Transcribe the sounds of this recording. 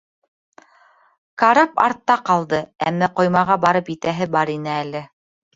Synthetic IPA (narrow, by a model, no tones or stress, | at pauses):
kaɾɑpɑ̰ɾt̪ːɑqɑlˠd̪ɤæmːæqŏjmɑʁɑbɑɾɤpjɘt̪æɦɘbɑɾinɘælɘ